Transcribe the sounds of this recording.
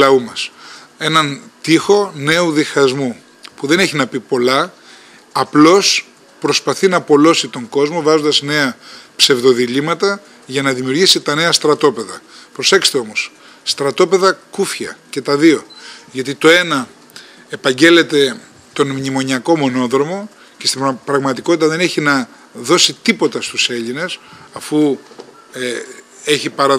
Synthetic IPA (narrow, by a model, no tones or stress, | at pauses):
lɐumɐse̞nɐnt̪ixo̞ne̞uðixɐzmu | puðe̞neçinɐpipo̞lɐː | plo̞s | pɾo̞spɐθinɐpo̞lo̞sit̪o̞ŋɡo̞zmo̞vɐzo̞nd̪ɐsne̞ɐpse̞vðo̞ðiʎimɐt̪ɐ | ʝɐnɐðimiuɾʝisit̪ɐne̞ɐst̪ɾɐt̪o̞pe̞ðɐ̰pɾo̞se̞kse̥t̪eo̞mo̞s | st̪ɾɐt̪o̞pe̞ðɐkufçɐ̰ce̞t̪ɐðio̞ʝɐt̪̬it̪o̞e̞nɐ | epɐɲɟe̞le̞t̪e̞ | t̪o̞nmɲimo̞ɲiɐko̞mo̞no̞ðɾo̞mo̞ | ce̞st̪ipɾɐɣmɐt̪iko̞t̪it̪ɐðe̞neçinɐ | ðo̞sit̪ipo̞t̪ɐst̪use̞ʎine̞sɐfu | eçipɐɾɐ